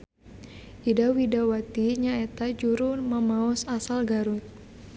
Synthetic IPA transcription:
ʔidawidawat̪iɲaɛt̪ad͡ʒuɾuməmaɔsasalɡaɾut̪̚

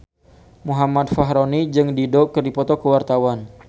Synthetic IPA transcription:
muɦamat̪̚faɦɾonid͡ʒɨŋdidokərdipɔt̪ɔkəwart̪awan

